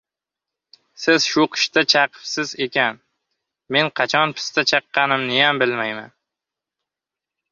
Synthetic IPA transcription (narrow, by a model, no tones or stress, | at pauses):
sɪz̥ʃʊqʰɨ̥ʃt̪at͡ʃʰɑqʰɨ̥psɪze̞kʲʰan | me̞nqʰɑt͡ʃʰɒnpʰɪ̥st̪at͡ʃʰɑqːɑnɪmnɪjambɪlmajma̰n